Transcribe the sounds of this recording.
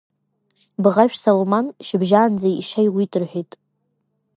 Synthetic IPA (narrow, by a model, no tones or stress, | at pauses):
bʁaʃᶣsolomanʃɪbʒaːnd͡zaiʂajwitʰʼɨrħʷᶣijtʼ